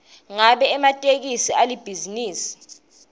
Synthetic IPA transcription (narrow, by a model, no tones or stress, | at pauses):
ŋaɓɛːmatʼek̬isialib̥ʱiziniːsi̥